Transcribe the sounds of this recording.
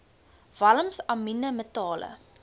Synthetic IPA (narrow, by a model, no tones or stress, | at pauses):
vɐləmsɐminəmətɑːlə̰